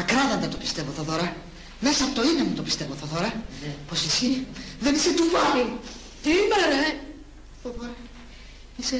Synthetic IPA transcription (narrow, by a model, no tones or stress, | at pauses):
ɐkɾɐðɐnd̪et̪opi̥st̪e̞voθoθoɾɐ | me̞sɐːpot̪o̞inemut̪opi̥st̪e̞voθɐθoɾɐpo̞sisiðeniset̪uvɐɾi | imeɾɐ | θɐðoɾɐ | ise